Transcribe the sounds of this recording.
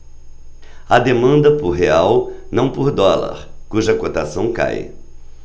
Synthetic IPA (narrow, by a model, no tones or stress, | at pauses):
ɐd̪emɐ̃nd̪ɐpʊɾɦeawnɐ̃w̃poɾd̪ɔlɐ̰ɾkuʒɐkot̪asɐ̃w̃ka̰j